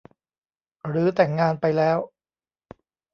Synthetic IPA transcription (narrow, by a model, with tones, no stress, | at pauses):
ɾɯː˩˦˥t̪ɛ˨˩ŋːaː˧npa˧jlɛː˦˥w